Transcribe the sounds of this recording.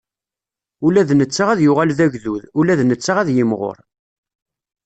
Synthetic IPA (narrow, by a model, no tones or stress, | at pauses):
ulæðnət͡sːaʁæðjʊʁælðæʝðuðulæðnət͡sːaʁæðjəmʁo̰ɾˤ